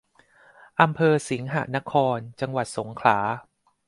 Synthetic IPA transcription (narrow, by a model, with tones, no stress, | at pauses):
ʔa˧mpʰɤː˧si˩˦ŋɦa̰˨˩na˦˥kʰɔː˧nt͡ɕa˧ŋwa˨˩t̪̚so˩˦ŋkʰlaː˩˦